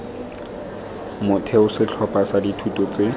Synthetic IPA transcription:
mʊtʰɛʊsɪt͡ɬʰɔpasaditʰutʼɔt͡se

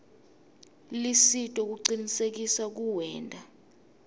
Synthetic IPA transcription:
lisitʼɔk̬uǀinisek̬isak̬uwɛːntʼa

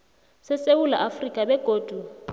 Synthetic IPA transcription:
sɪseula̰ʔafrikʼabɛɡ̥ʱoːd̥ʱu

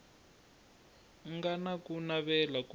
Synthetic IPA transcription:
ŋɡanakunaβɛlaku

